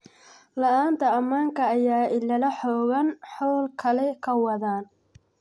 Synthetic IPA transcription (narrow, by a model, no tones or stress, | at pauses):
lɐʔaːnt̪ʰɐɐmaːŋkʰɐːjaːʔɪlɐlɐħɔːɣɐnħɔːlkʰɐlɛkʰɐwɐðaːn